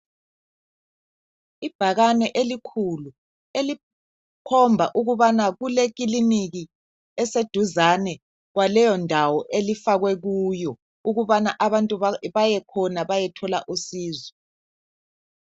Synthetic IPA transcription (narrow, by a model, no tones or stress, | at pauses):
ib̥ʱaɣanɛʔelikʰulu | eli | kʰɔmbʱa̰ʔuɣuβanaɣulek̬ʼiliniɣi | ɛsed̥ʱuzanɛ | ɣwalɛjɔndʱawɔʔelifaɣwɛɣujɔ | uɣuβanaʔaβantʼuβajɛkʰɔnaβajɛtʰɔla̰ʔusiːzɔ